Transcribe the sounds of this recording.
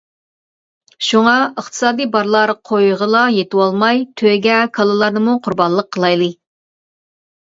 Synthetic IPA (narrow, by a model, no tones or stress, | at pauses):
ʃuŋɑəχt̪ʰɨ̥sɑːd̪ijbɑɾlˠɑɾqʰojʁəlˠɑjet̪ɪwɑlˠmɑjt̪ʰøɡʲɛkʰɑlˠɨlˠɑɾnɨmuqʰʊɾbɑnlˠəqʰːəlˠɑjlˠɨ